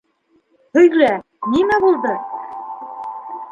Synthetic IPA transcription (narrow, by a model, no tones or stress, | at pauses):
hɵ̆jlæ | nimæbulˠd̪ɤ